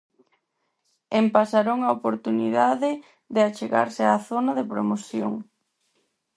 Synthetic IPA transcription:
empasaɾoŋaopoɾt̪uniðaðɪ | ðeat͡ʃeɣa̰ɾsɪaːθonaðepɾomoθjo̰ŋ

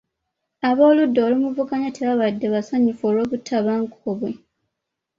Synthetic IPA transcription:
aβo̞ːludːoːlimuvukaɲateβaβadːe̞βasaɲifo̞ːlo̞ːβutʰːaβaŋkoβwe

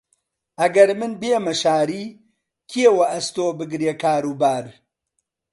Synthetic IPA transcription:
ʔɐɡɐɾmɨnbeːmɐʃaːɾiː | kʰiewɐʔɐst̪oːbɨɡɾeːkaːɾuːbaːɾ

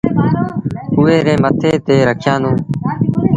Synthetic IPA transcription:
ʊːeːɾẽːmət̪ʰeːt̪eːɾəkʰjãːnd̪õː

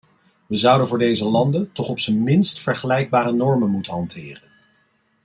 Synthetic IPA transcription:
ʋəzʌwdənvʊːɹdejzəlɑndəntɔχɔpsənmɪnstfəɹχəlɛjɡ̚baːɾənɔɹmənmutənɦɑntʰɪːrən

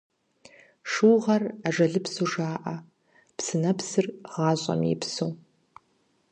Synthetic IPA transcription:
ʂuwʁɐraʒʷɐɮɨpʰsuʐaːʔa | pʰsɨnɐpʰsɨrʁaːɕʷʼa̰mḭpʰso

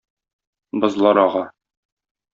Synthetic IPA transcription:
bɤ̆zlˠɑɾɒʁɑ

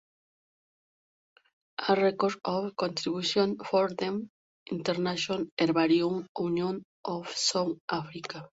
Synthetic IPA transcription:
arekoɾofkõnt̪ɾiβusjonfoɾðem | int̪eɾnaʃoneɾβaɾjoŋwnjõn | ofsoŋafɾika

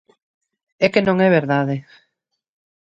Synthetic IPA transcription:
ɛkenõŋɛβeɾðaðe

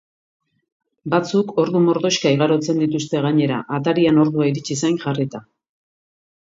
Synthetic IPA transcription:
bat͡suko̞ɾðumo̞ɾðo̞ʃkaiɣaɾo̞t͡se̞nd̪it̪ust̪e̞ɣaɲe̞ɾa̰ʔat̪aɾiano̞ɾðuaiɾit͡ʃisajŋʝarit̪a

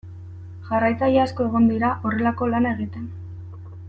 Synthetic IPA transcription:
ʝarajt͡sajeasko̞e̞ɣ̞ond̪iɾaʔo̞re̞lako̞lane̞ɣ̞it̪e̞n

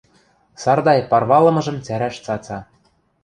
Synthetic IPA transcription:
sɑrd̪ɑjpɑrβɑlɤ̆mɤ̆ʒɤ̆mt͡sæɾæʃt͡sɑt͡sɑ

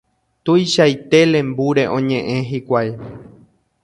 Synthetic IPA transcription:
t̪ujʃajt̪e̞lẽ̞mbuɾe̞ʔõ̞ɲẽ̞ʔẽ̞ɦikʷaj

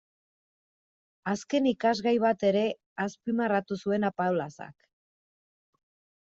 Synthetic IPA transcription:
aske̞nikazɣajβ̞at̪e̞ɾe̞ | aspimarat̪usue̞napawlasa̰k

